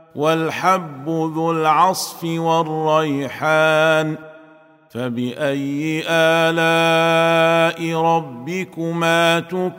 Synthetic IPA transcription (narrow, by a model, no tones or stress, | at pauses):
walħabːʊðʊlʕɑsˤfɪwɑrˤːɑjħaːn | fabɪʔajːɪʔaːlaː | ʔɪɾˤɑbːɪkʊmaːt̪ʊ